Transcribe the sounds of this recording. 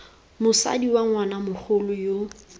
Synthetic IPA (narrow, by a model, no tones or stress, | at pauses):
mʊsa̰diwaŋwanamʊk͡xʰʊlʊjo